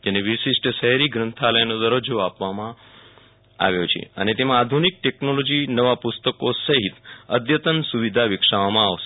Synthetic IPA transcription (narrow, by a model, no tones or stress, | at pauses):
d͡ʒeneʋiʃɪʃʈəʃəɦɾiɡɾənt̪ʰaləjnod̪əɾod͡ʒoapʋamã | a̰ʋjot͡ʃʰḛə̰net̪emãad̪ʱunik̚ʈeknolod͡ʒinəʋapʊst̪əkosəɦit̪əd̪jət̪ənsuʋid̪ʱaʋɪkʂaʋamãaʋʃe